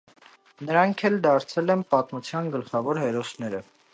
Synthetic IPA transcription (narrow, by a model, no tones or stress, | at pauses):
nəɾɑŋkʰɛld̪ɑɾt͡sʰɛlɛnpɑt̪mut͡sʰjɑnɡəlχɑvɔɾhɛɾɔsnɛɾə